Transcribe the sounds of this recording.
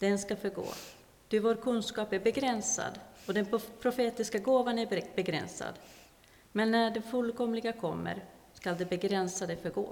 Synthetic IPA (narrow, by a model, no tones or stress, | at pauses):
d̪̥ɛnskafœɾɡo̰ː | t̪ɪvoːɾkʰɵnskɑːpæɾbɛɡɾɛnsa̰d̪ɔd̪ɛnpʰɾʊfeːt̪ɪskaɡoːvanæɾbɛɡɾɛ̰nsa̰d̪ | mɛnːæɖɛfɵlːkɔmlɪɡakʰɔmːə̰ɾskald̪ɛbɛɡɾɛnsad̪ɛfœɾɡo̰ː